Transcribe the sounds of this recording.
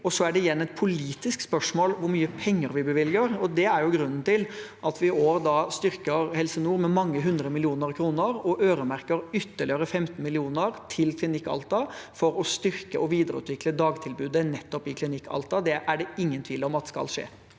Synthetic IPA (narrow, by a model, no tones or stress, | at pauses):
ɔsɔæɖɛɪjɛnːɛt̪̚pʰʊliːt̪ɪskspœʂmoːlʋʊɾmyːəpʰɛŋːəɾʋɪbəʋɪlɡəɾɔd̪ɛæɾjʊɡɾʉnːn̩t̪ɪlʔɑt̪ʋɪoːɾd̪ɑst̪ʏɾkəɾhɛlsənuːɾmɛmɑŋːəɦʉnd̪ɾəmɪlɪuːnəɾkʰɾuːnəɾɔʔøːɾəmæɾkəɾʏt̪ːəɭɪjøːɾəfɛmt̪n̩mɪlɪuːnəɾt̪ʰɪlkʰlɪnɪkːɑ̰lt̪ɑfɔɾɔst̪ʏɾkəʔɔʋiːd̪əɾəʉ̰ːt̪ʋɪkləd̪ɑːɡt̪ʰɪlbʉːd̪ənɛt̪ːɔpɪkʰlɪnɪkʰːɑ̰lt̪ɑd̪ɛʔæɖɛɪŋːənt̪ʰiːləɔmɑt̪̚skɑ̰lʂḛː